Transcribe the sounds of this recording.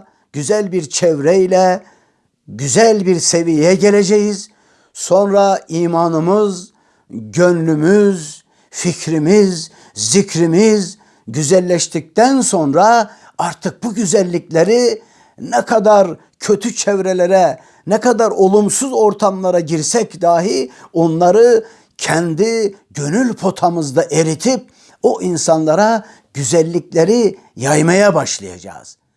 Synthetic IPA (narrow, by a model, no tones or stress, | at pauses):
ɟ̥yzælʲbiɾt͡ʃʰɛvɾɛilʲɛ | ɟyzælʲbiɾse̞vijejɛɟe̞lʲe̞d͡ʒejiz̥ | so̞nɾaiːmaːnɯmɯz | ɟønlʲymyz | ficʰɾimizː | icɾimiz | ɟyzælʲːɛʃt̪ʰic̚t̪ænso̞nɾa | aɾt̪ʰɯk̚buɟyzælʲːiclʲeɾi | nɛkʰad̪aɾ | cʰø̞t̪ʰyt͡ʃʰevɾelʲeɾɛ | nɛkad̪aɾo̞lˠumsuzo̞ɾt̪ʰamlˠaɾaɟiɾsɛcd̪aːɦio̞nlˠaɾɯ | cʰɛnd̪iɟø̞nylʲpʰo̞t̪ʰamɯzd̪aʔe̞ɾit̪ʰip̚ | oʔinsanlˠaɾa | ɟ̥yzælʲːiclʲe̞ɾi | jajmajabaʃlˠaja̰d͡ʒa̰ːz̥